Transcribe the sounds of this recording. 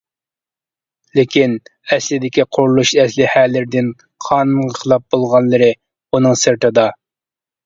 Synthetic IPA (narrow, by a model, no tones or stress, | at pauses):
lɪkʲinɛslɪd̪ɪkʲiqʰʊɾlˠuʃɛslɪhælɪɾɪd̪ɪn | qʰɑːnunʁəqʰəlˠɑp̚b̥olˠʁɑnlˠɨɾɨ | unɨŋsɨɾt̪ʰɨd̪ɑ